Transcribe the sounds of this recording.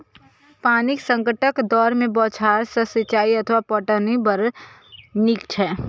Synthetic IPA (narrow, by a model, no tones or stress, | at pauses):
paːnɪksə̃ŋkəʈəkd̪ɔːɾmẽbɔːt͡ʃʰaːɾsəsɪt͡ʃaːiɐt̪ʰʋapɔʈənibəɾ | nɪkt͡ʃʰɛː